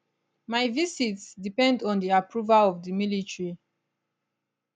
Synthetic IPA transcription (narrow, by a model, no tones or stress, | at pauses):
maɪvisitsdipɛ̃ndɔ̃ndiapɹuvalɔvdimilitɹi